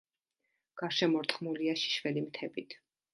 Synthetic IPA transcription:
ɡ̥aɾʃɛmɔɾt̪ʰχmuliaʃi̥ʃvɛlimt̪ʰɛbit̪ʰ

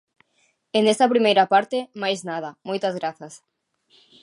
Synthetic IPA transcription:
enest̪ɐpɾimejɾɐpaɾt̪emajznað̞ɐmojt̪azɣɾaθɐs

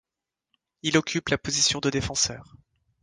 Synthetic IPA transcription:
ilɔkʲʰyplapozisjɔ̃d̪əd̪efɑ̃sœːʁ

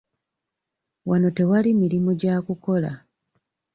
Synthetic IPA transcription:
wano̞te̞walimiɾimoɟaːkuko̞la̰

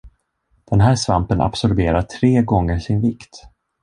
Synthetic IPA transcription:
d̪̥ɛnɦæːʂvampənʔa̰psɔɾbeːɾaʈʰɾeːɡɔŋːəɾʂɪnvɪkt̪

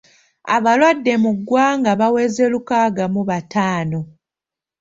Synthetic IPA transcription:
a̰βalwadːe̞muɡːwaːŋɡaβawe̞ːze̞lukaːɡamuβatʰaːno̞

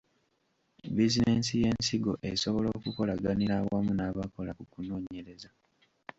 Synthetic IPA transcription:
bizineːnsije̞ːnsiɡo̞ʔeso̞βo̞lo̞ːkuko̞laɡaniɾaːwamunaːβako̞lakukuno̞ːɲe̞ɾe̞za

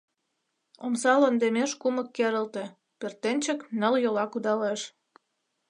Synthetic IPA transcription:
omsɑlond̪emeʃkuməkːeɾəlt̪e̽ | pert̪enʲt͡ɕə̆knəljolɑkud̪ɑleʃ

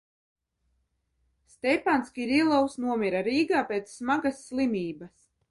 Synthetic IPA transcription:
st̪ʲɛjpanskʲiiɾilˠawsnuɔmʲiɾaɾiːɡaːpʲeːt̪sːmaɡasːlˠimʲiːbas

